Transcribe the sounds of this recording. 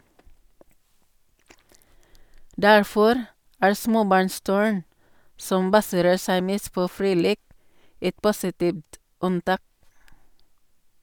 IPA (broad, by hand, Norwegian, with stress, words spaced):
ˈdæɹˌfɔɾ ˈæːɹ ˈsmoːˌbɑɹnˌstʉɹn ˈsɔm ˈbɑsəɾəɹ ˈsæɪ ˈmeːst ˈpoː ˈfɹiː ˈleːk ˈɛt ˈpʊsɪˌtiːʋt ˈʉnˌtɑːk